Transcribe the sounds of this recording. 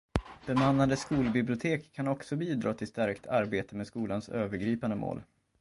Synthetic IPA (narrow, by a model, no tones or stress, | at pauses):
d̪̥ɛnmanːand̪əskuːlbɪblɪʊt̪ʰeːkʰːanɔksɔbiːd̪ɾɑːt̪ʰɪlst̪æɾkt̪ʰaɾbeːt̪əmeːskuːlansøːvəɾɡɾiːpand̪əmo̰ːl